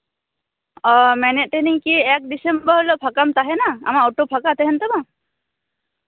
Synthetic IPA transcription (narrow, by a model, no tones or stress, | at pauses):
ɔmɛnɛt̪̚ˀt̪ɛniɲkiɛk̚ɖisembəɾɦlɔʔpʰakamt̪aɦɛnaa̰maoʈopʰakat̪ɛɦɛnt̪ɔma